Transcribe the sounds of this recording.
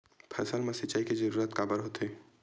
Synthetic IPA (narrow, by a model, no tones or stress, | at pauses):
pʰɛ̰ːsəlmẽsɪt͡ʃaːikezəɾuːɾət̪kaːbəɾɦoːt̪eː